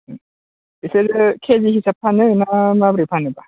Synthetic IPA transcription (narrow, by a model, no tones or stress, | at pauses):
iseɾɯkʰeziɦisapʰːanɯɯnamabɾipʰanɯba